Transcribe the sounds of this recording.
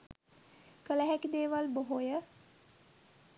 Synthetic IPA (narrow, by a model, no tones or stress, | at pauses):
kələɦækid̪eːʋalboɦojə